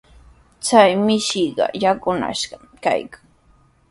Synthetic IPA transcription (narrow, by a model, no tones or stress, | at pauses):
t͡sajmɪʃiɢɑ̰jakʊna̰ʃɢɑ | ka̰jkḁŋ